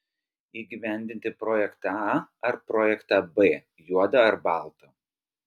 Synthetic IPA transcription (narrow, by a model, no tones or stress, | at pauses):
iːɡʲiʋʲɛˑnʲd̪ʲɪnʲt̪ʲɪpɾɔːjɛkt̪ɑɐɾpɾɔːjɛkt̪ɑbeː | juɔd̪ɐɐɾbɑˑlˠt̪o